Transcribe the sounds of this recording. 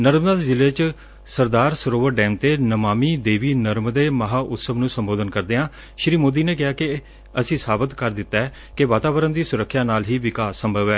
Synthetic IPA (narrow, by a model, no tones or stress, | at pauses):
nəɾmd̪aːd̪ezɪlːeːt͡ʃ | səɾd̪aːɾsəɾoːʋəɾɖɛːmt̪eːnəmaːmiːd̪eːʋiːnəɾmd̪eːməɦaːʔʊt̪səbnũːsəmboːd̪ənkəɾd̪eːɦãː | ʃɾiːmoːd̪iːneːk̬ɪaːkɪ | əsĩːsaːbət̪kəɾd̪ɪt̪ːaɛː | kɪʋaːt̪aːʋəɾənd̪iːsʊɾəkʰːjaːnaːlɦiːʋɪkaːsːəmbʱəʋɛː